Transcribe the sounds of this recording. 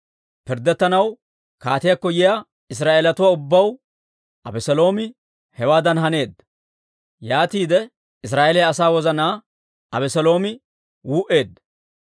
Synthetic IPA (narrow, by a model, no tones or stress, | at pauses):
pɪɾd̪ɛt̪ːɐnɐw | kaːt̪ɪjakːɔjɪja | ɪs̬ɾaːʔeːlɐt̪ʊwaːʊbːɐw | ɐbɛsɛlo̞ːmɪ | hɛwaːd̪ɐnɦɐne̞ːd̪ːɐ | jaːt̪iːd̪ɛ | ɪs̬ɾaːʔelɛjɐsaːwɔzɐnaː | ɐbɛsɛlo̞ːmɪ | wuːʔe̞ːd̪ːɐ